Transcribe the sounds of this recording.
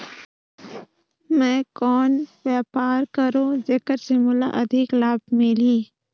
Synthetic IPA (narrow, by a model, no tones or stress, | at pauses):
mɛ̃ːkɔːnwjɛːpaːɾkəɾoːd͡ʒekəɾsɪmʊla̰ʔɐd̪ʱɪklaːbmɪliː